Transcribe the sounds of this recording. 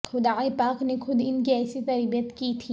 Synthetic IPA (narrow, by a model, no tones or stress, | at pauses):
xʊd̪aːepaːknexʊd̪ʱɪnkiɛːsit̪ɐɾbijət̪kit̪ʰiː